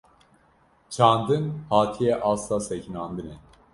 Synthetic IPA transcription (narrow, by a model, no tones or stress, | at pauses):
t͡ʃʰand̪ɯnhaːt̪ʰijɛʔaslasɛcʰinand̪ɯnɛ